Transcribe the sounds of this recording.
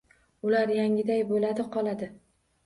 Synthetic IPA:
ʊlaɾjaŋʲɪd̪ajbolad̪ɪqʰɒlˠad̪ɪ

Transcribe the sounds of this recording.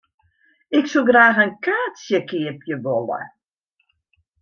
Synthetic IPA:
ɪksulˠɡraːxənkaːsjəkɪəpjəʋolə̰

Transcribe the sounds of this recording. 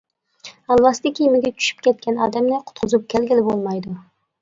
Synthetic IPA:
ɑlˠwɑst̪ɪkʲimɪɡʲɛt͡ʃʰy̥ʃy̥p̚kʲɛt̪̚kʲʰɛnɑːd̪ɛmnɪqʰʊ̥t̪̚qʰʊzup̚kʲʰɛlɡʲɪlɪbolˠmɑjd̪ʊ

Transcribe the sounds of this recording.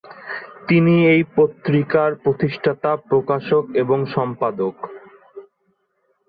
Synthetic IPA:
t̪iniejpot̪ːɾikaɾpɾot̪iʃʈʰat̪apɾokaʃokeboŋʃɔmpad̪ok

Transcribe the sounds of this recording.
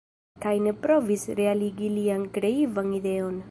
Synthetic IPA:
kajne̞pɾo̞visɾealiɡiliankɾe̞ivanid̪e̞on

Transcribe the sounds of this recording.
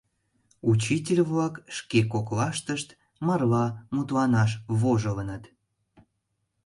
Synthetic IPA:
ut͡ɕit̬ʲelʲβlɑkʃkekoklɑʃt̪əʃt̪ | mɑrlɑmut̪lɑnɑʃβoʒələnət̪

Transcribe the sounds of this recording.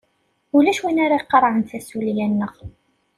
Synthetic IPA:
ulæʃwinaɾˤɑiqːɾˤʕənθæsuljænːəʁ

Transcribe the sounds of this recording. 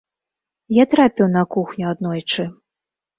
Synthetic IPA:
jat̪ɾapʲiwnɐkuxnʲuad̪nɔjt͡ʂɨ

